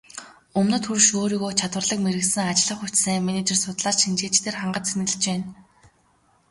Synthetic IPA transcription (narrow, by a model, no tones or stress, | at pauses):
ɵmnɵ̆t̪xurʃoːɾiːɣoːt͡ɕʰat̪wə̆rɮə̆kmeɾɘ̆ksɘ̆ŋat͡ɕɮə̆χut͡ɕseːmenet͡ɕersʊt̪ɮaːrʃint͡ɕeːt͡ɕt̪ʰeːrχaɴɢə̆t͡ɕt͡sʰenɘ̆ɣɘ̆ɮt͡ɕpæːn